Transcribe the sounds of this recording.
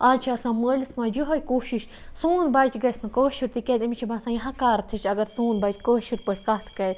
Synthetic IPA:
aːt͡ʃʰaɐsãːməːlismãːd͡ʒiɦojkoːʃiʃ | suːnbaːt͡ʃʲɡɐsʲnɐkəːʃiɾt̪ikʲeːzʲimit͡ʃʰibaːsãːjɦãkaːɾt̪ʰit͡ʃʲɐɡɐɾsuːnbɐːt͡ʃʲkəːʃiɾpəʈʲkɐt̪ʰkɐ

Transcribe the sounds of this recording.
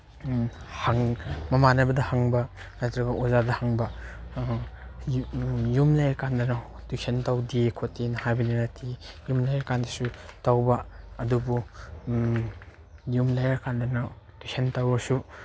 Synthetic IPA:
haŋmɐmanɐbɐdɐhaŋbɐ | najtɾɐɡɐʔozadɐhaŋbɐ | jumlajɾkandɐna | tusʰentawdikʰotːinɐhajbɐninatʰijumlajaɾkandɐsutawbɐɐdubu | jumlajaɾkandɐna | tusʰentawɐsu

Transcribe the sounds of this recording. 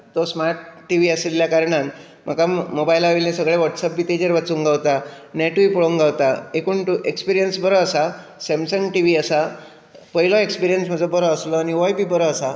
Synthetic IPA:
t̪ɔsmaɾʈːiʋiəsilːjakaɾɳan | m̤akamobajlaʋiljãsəɡɭeʋɔʈsəpʋit̪ed͡ʑəɾʋat͡suːŋɡawt̪anɛʈʋipəɭoŋɡawt̪aekuɳʈuʔekspiɾijənsbəɾəəsa | sɛmsəŋɡʈiʋiəsa | pəɦilɔekspiɾijənsm̤əd͡zɔbəɾɔəslɔaniʋɔjbʱiːbəɾəəsa

